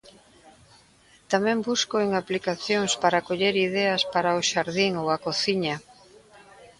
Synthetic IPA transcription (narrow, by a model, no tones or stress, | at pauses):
t̪amɛ̃mbuskoeŋaplikaθjoŋspaɾakoʎeɾiðɛɐspaɾaoʃaɾðiŋowɐkoθiɲɐ